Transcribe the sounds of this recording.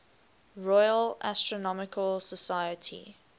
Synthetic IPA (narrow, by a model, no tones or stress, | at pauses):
ɹɔjəlʔa̰stɹɔnɔmɪkʰəlsəsajətʰḭ